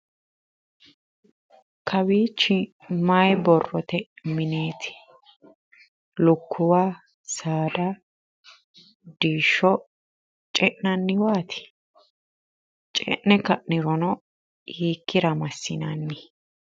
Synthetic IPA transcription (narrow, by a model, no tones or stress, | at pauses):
kʰɐbiːt͡ʃːɪ | majbɔrːɔt̪ɛmɪneːt̪ʰɪ̥ | lʊkʰːʊwaː | saːd̪ɐ | d̪iːʃːɔ | t͡ʃʼɛʔnɐnːɪwaːt̪ʰɪ̥ | t͡ʃʼɛ̰ʔnɛkɐʔnɪɾɔnɔ | hiːkːɪɾɐmɐsːɪnɐnːɪ